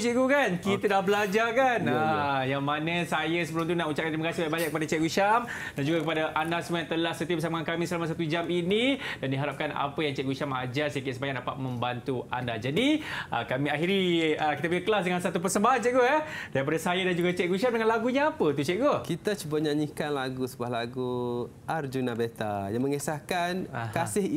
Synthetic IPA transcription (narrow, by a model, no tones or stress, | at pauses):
t͡ʃɛʔɡukankit̪ədahbəlad͡ʒakanəjaŋmanəsajəsəpəɾunt̪unaʔut͡ʃaʔ̚kant̪ɾiməkasibaabaɲaʔkːəpadat͡ʃɛʔɡuʃamdand͡ʒuɡakəpadaʔandasəməjaŋt̪əlahsət̪iəpəs̬amaankamĩsəlamas̬at̪ud͡ʒaminidandiɦaɾap̚kana̰pəjaŋt͡ʃɛʔɡuʃamad͡ʒasakɪʔsəmpaɲaʔ̚dapat̪̚mə̃mbant̪ua̰ndad͡ʒadiʔəkamĩaɦiɾiəkit̪abiəkəlas̬dəŋansat̪up̬ərsəmbaɦant͡ʃɛʔɡoɛdaɾip̬adasajadand͡ʒuɡat͡ʃɛʔɡuʃamdəŋanlaɡuɲaapət̪ut͡ʃɛʔ̚ɡokit̪at͡ʃuboɲaɲikanlaɡusəbahlaɡu | ard͡ʒunabet̪ajaŋməŋesahkankasɪh